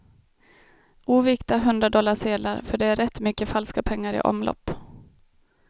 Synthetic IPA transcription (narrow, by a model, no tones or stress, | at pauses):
ʔuːvɪkt̪aɦɵnd̪ɾadɔlːaʂeːd̪laɾfœɖɛæɾɛt̪ːmʏkːəfalskapʰɛŋːaɾɪ̰ʔɔ̰mlɔ̰pː